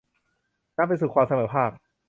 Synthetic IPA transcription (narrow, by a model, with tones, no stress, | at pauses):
naː˥˩pa˧jsuː˨˩kʰwaː˧msa˧mɤː˩˦pʰaː˥˩p̚